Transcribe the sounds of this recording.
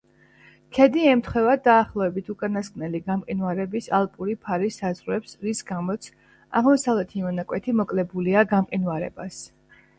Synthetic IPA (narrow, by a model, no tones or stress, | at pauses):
kʰɛd̪iɛmt̪ʰχwɛvad̪aːχlˠɔvɛbit̪ʰukʼanaskʼnɛliɡamqʼinvaɾɛbisalˠpʼuɾipʰaɾisazʁwɛpsɾisɡamɔt̪sʰ | a̰ʁmɔsavlɛt̪ʰimɔnakʼwɛt̪ʰimɔkʼlɛbuliaɡamqʼinvaɾɛ̰bas